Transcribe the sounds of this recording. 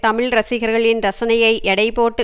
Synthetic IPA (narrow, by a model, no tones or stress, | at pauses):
t̪ɐmɪɭɾɐsɪɣɐɾɣɐɭɪnɾɐsɐnɐjɐɪʔɛɽɐɪpoːʈːɯ